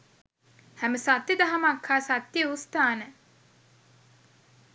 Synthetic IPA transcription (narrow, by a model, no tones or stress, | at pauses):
hæməsat̪jid̪aɦamakʰːaːsat̪ːjeust̪aːnə